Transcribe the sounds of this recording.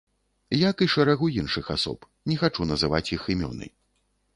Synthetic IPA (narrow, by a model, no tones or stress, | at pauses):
jakɨʂɐɾaɣujinʂɨxasɔ̰p | nʲɛxat͡ʂunɐzɨva̰t͡sʲjiximʲɔ̰nɨ̰j